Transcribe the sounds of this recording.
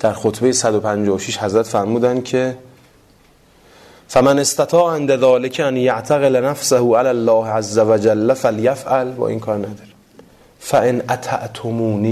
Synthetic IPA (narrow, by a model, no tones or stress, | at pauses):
d̪̥æɾxot̪ʰbejesæd̪opʰænd͡ʒɒːoʃiːʃhæzɾæt̪fæɾmuːd̪ænd̪cʰe̞ | fæmænest̪æt̪ʰɒːʔʕend̪æðɒːlecʰænjaʔt̪ʰæɣelnæfsæhuːʔælælːɒːhʔæzːævæd͡ʒælːæfæljæfʔælbɒ̰ːʔḭːnkʰɒːɾnæd̪ɒːɾe | fæʔenʔæt̪ʰa̰ʔt̪ʰomuːniː